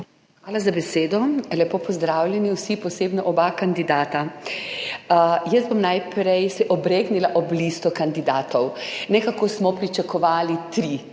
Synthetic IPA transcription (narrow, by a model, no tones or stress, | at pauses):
xʋaːlazabɛseːd̪ɔlʲɛpoːpɔzd̪ɾaːwlʲjɛniwsipɔseːbnɔʔɔbakand̪id̪aːt̪a | jəz̚bomnaːjpɾɛjsɛʔɔbɾeːɡnilaʔɔblist̪ɔkand̪id̪aːt̪ɔwnɛkakosmɔpɾit͡ʃakɔʋaːlit̪ɾi